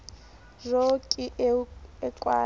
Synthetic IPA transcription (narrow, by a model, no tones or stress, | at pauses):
rokʼi | ɛkʼwaː